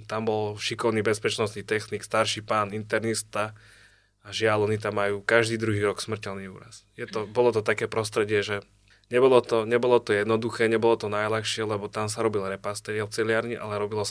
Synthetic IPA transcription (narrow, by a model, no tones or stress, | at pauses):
t̪ambɔlʃikɔʊniːbɛspɛt͡ʃnɔst̪niːt̪ɛxniːkst̪aɾʃipaːnint̪ɛɾnist̪a | aʒɪalɔnit̪amːajuːkaʒd̪iːd̪ɾuɦiːɾɔksmr̩cɛlniṵːɾa̰sjɛt̪ɔbɔlɔt̪ɔt̪akɛːpɾɔst̪ɾɛɟɪɛʒɛ | ɲɛbɔlɔt̪ɔɲɛbɔlɔt̪ɔjɛd̪nɔd̪uxɛːɲɛbɔlɔt̪ɔnajlaxʃɪɛlɛbɔt̪amsaɾɔbilɾɛpast̪ɛt͡sɛlɪaɾɲiʔa̰lɛɾɔbilɔ